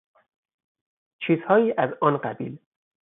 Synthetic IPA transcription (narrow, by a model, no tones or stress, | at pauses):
t͡ʃʰiːzhɒːiːʔæzɒːnɢæbiːl